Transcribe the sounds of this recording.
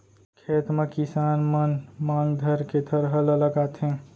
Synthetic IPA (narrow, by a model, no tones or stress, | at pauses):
kʰet̪mekisaːnmənmãːŋɡd̪ʱəɾked̪ʰʱəɾɦələləɡat̪ʰɦẽ